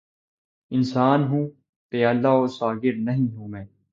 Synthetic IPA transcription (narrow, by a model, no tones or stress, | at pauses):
ɪnsaːnɦũː | t̪eːalːaoːsaːɡɪɾnɐɦĩɦũːmɛ̃ː